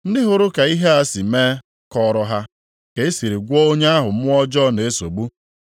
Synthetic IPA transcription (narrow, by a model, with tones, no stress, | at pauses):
n̩˦dɪ˦ɦʊ˨ɾʊ˦ka˨i˦ɦe˦a˦si˨meː˦ | kɔ˦ɾɔ˦ɦa˦ | ke˦e˦si˨ɾi˨ɡʷo˦o˦ɲe˦a˦ɦʊ˨m̩˦mʊ˦ɔ˦d͡ʒɔ˦ne˨e˦so˨ɡ͡bu˦